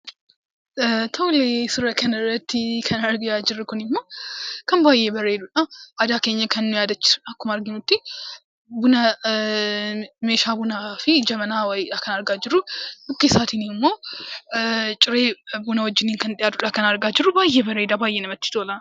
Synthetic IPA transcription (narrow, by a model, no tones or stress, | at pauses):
t̪ʰoːlesɪɾɐkʰɐnɪrːɐt̪ːɪkʰɐnɐɾɡɪjad͡ʒɪɾːʊkʊnɪmːoːkɐmbaːjːeːbɐɾeːd̪uᶑɐʔad̪aːke̞ːɲːɐkʰɐnːʊjaːd̪ɐt͡ʃːɪ̥ɐkːʊmɐɾɡɪɲʊt̪ːɪ | bʊnɐ | me̞ːʃaːbʊnafɪd͡ʒɐmɐnaːwɐjɪᶑakɐnɐɾɡaːd͡ʒɪɾudʊkːisaːt̪ɪnɪmːo̞ː | t͡ʃʼɪɾe̞ːbunɐwɔd͡ʒːɪniːŋkɐnt̪ɪjaːd̪ʊᶑakɐnɐɾɡaːd͡ʒɪɾʊbaːjːebɐɾeːd̪abaːjːenɐmɐt̪ːɪ̥t̪oːlɐ